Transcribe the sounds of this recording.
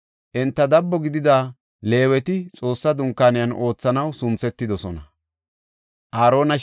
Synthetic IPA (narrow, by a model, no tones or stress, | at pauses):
ʔɛnt̪ːɐd̪ɐbːɔɡɪd̪ɪd̪aː | le̞ːwɛt̪ɪt͡sʼo̞ːsːɐd̪ʊŋkːaːnɪjɐno̞ːt͡sːɐnɐwsʊnt͡sːɛt̪ːɪd̪ɔsɔnɐ | ʔaːɾo̞ːnɐ